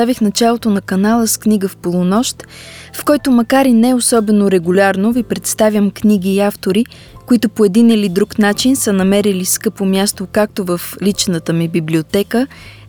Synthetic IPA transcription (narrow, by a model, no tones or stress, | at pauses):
avixnɐt͡ʃalˠot̪onɐkɐnalˠəskniɡəfpolˠonɔʃt̪fkɔjt̪omɐkaɾinɛosɔbɛnoɾɛɡulʲaɾnovipɾɛt̪st̪avʲjəmkniɡ̟iːaft̪oɾi | koit̪opoɛd̪inilid̪ɾuknat͡ʃinsənɐmɛɾiliskɤpomʲjast̪okak̚t̪ovəflit͡ʃnət̪əmibiblʲiot̪ɛkə